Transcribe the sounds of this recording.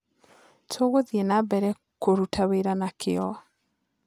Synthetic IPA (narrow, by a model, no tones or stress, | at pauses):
tʰoːɣoðienabɛɾɛ | koɾutʰaweɾanakʰɪɔ